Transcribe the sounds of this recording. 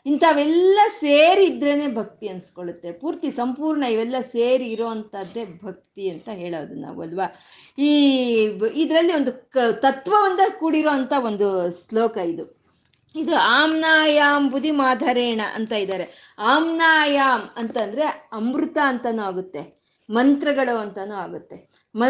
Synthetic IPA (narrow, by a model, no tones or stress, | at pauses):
int̪ʰaʋɛlːɐseːɾiːd̪ɾene̞ːbʱɐk̚t̪iɐnsi̥koɭut̪ːe̞puːɾt̪isɐmpuːɾɳɐiʋɛlːɐseːɾiːɾoːɐnt̪ɐd̪ːe̞bʱɐk̚t̪iɐnt̪ɐɦeːɭoːd̪una̰ːʋṵɐlʋa | iː | id̪ɾɐlːiond̪ut̪ɐt̪ʋɐʋɐnd̪ɐkuːɽiɾoːɐnt̪ɐo̞nd̪usloːkɐid̪u | id̪uaːmnaːjaːmbud̪ʱimaːd̪ʱɐɾeːɳɐʔɐ̰nt̪aːjid̪aːɾe | aːmnaːjaːmɐnt̪ɐnd̪ɐɾe̞ɐmɾut̪aɐnt̪ɐnuːaːɡut̪ːe̞ | mɐnt̪ɾɐɡɐɭoɐnt̪ɐnuːaːɡut̪ːe̞ | mɐ